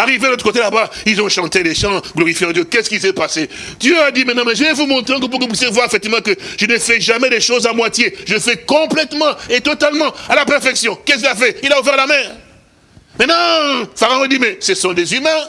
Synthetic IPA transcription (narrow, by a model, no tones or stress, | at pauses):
aʁivedəlot̪əkot̪elabailzɔ̃ʃɑ̃t̪elɛʃɑ̃ɡlɔʁifjeɑ̃d̪jøkɛsə̥kilsɛpase | d̪̥jøad̪imɛ̃t̪nɑ̃mɛʒəɛvumɔ̃t̪ʁɛ̃k̬əp̬ukup̬ɥisjevwaʁefɛk̚t̪ivmɑ̃kəʒ̥ənəfɛʒamɛd̪ɛʃozamwat̪jeʒəəfɛkɔ̃plɛt̪mɑ̃et̪ɔt̪almɑ̃alapɛʁfɛksjɔ̃kɛskilafɛilauvɛʁlamɛʁ | mɛ̃t̪nɑ̃faʁaɔ̃d̪imɛsəsɔ̃d̪ezymɛ̃